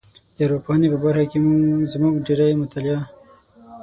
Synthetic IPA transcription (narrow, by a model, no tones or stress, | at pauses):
jaɾopohanepəbaɾxakemuzmuɡɖeɾajmʊt̪alja